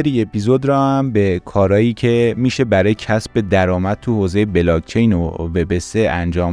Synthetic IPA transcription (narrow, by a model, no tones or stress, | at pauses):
eɾie̞pʰizod̪ɾɒːæmbe̞kʰɒːɾɒːjiːcʰe̞miːʃe̞bæɾɒːjecʰæsbe̞d̪æɾɒːmæd̪̚t̪ʰuhoːze̞jebelɒɡ̚t͡ʃʰejnove̞be̞seʔænd͡ʒɒːm